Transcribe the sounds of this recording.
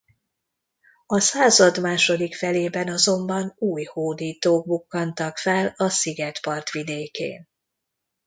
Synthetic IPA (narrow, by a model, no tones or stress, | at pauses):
ɒsaːzɒd̪maːʃo̞d̪ikfɛleːbɛnɒzo̞mbɒnuːjhoːd̪iːt̪oːɡ̚bukːɒnt̪ɒkfɛlɒsiɡɛt̪pɒrt̪ʋid̪eːkḛːn